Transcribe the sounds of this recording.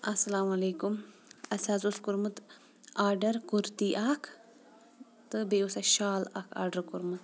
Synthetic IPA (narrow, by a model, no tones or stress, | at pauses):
ɐsɐlaːmɐleːkum | ɐsaːzuskuɾmɨt̪ | aːɾɖɐɾkuɾt̪iːʔaːkʰ | t̪ɨbeːusaʃaːla̰kʰa̰ːɾɖɐɾkuɾmɨt̪